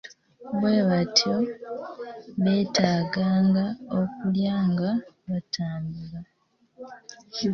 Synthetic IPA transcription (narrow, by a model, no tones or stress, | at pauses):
βweːβatʰjo | βe̞ːtaːɡaːŋɡaokuljaːŋɡa | βatʰaːmbula